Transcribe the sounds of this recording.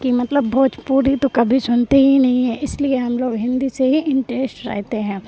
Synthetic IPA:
kimɐt̪ləbːoːt̪puːɾit̪okɐbʱisʊnt̪iɦinɐɦĩɦɛ̃ɪslieɦɐmloːɡɦɪ̃nd̪iseɦiʔɪ̃ɳʈɾeːsʈɾɛ̰ːɦt̪eɦɛ̃ː

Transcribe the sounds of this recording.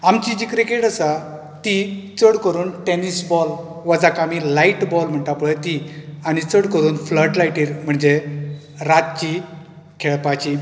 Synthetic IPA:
amt͡ɕid͡ʑikɾikeʈəsa | t̪it͡səɽkəɾuːnʈenisbɔl | ʋad͡zakamilaiʈbɔlm̤əɳʈapuɭət̪iañit͡səɽkəɾuːnfləɾʈlajʈiːɾm̤əɳd͡ʑe | ɾat̪̚t͡ɕi | kʰeɭpat͡ɕi

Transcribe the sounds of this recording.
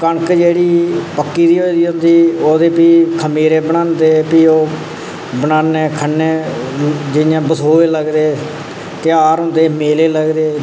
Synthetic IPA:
kəɳəkd͡ʒeːɽiːpəkːiːd̪iːɦoːid̪iːɦʊ̃nd̪iːoːd̪eːpiːkʰəmiːɾẽːbənaːnd̪eːpiːoː | bənaːnẽːkʰənːẽː | d͡ʒɪjãːbəsoːeːləɡd̪eː | t̪ɪaːɾɦʊ̃ːnd̪eːmeːleːləɡd̪eː

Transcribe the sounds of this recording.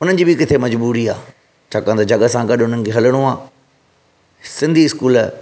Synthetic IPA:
ʊnən̆d͡ʑiːbikɪt̪ʰemɐd͡ʑbuːɾiaː | t͡ɕʰaːkãnd̪ad͡ʑɐɠəsãɡɐɗʊnənɪ̆kʰeɦɐləɽ̃ũãː | sɪ̃nd̪ʱiɪskuːl

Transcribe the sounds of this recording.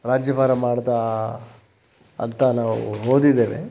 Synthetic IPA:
ɾaːd͡ʒjɐbaːɾɐmaːɽd̪a | ɐ̰nt̪ɐnaːʋṵɦoːd̪id̪ːeːnḛ

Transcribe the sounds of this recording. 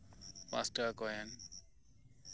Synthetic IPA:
pã̰sʈakɔjan

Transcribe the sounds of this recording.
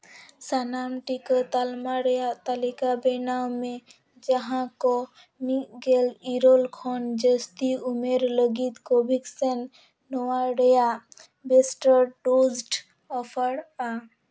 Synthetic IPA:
sanamʈikət̪almaɾejat̪alikabenawmẽ | d͡ʒəɦãkɔ | nikɡeliɾolkʰɔnd͡ʒəst̪iumeɾləɡit̪kobʱiksɛnː | ɔwaɾeja | besʈəɾɖod͡ʒʈ | ɔpʰəɾa

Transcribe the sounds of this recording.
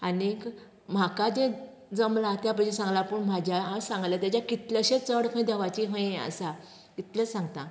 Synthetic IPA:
anik | m̤akad͡ʑẽ | d͡zəmlat̪jap̬əɕẽsãŋɡlapəɳm̤ad͡ʑʱjaɦãsãŋɡlat̪jat͡ɕakit̪ləɕẽt͡səɽkʰə̃ĩd̪əʋat͡ɕiɦə̃ẽə̰sa | kit̪ləsãŋɡt̪ã

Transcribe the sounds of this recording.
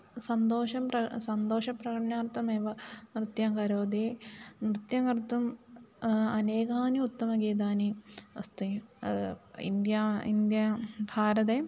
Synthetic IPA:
sɐnd̪oːʃɐmpɐsɐnd̪oːʃɐpɾɐkɐʈɐɳaːɾt̪ːɐmeːʋɐnɾɨt̪jɐːŋɡɐɾoːd̪eːnɾɨt̪jɐŋɡɐɾt̪um | ɐneːɡaːniut̪ːɐmɐɡeːd̪̬aːniɐ̰st̪e | ḭnd̪jaḭnd̪jɐbʱaːɾɐt̪eː

